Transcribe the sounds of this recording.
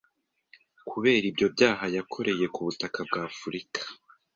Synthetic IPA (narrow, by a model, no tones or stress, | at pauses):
kʰuβe̞ːɾibjo̞bɟaːɦajakʰo̞ɾe̞je̞kuβutakab̚ɡaːfuɾikḁ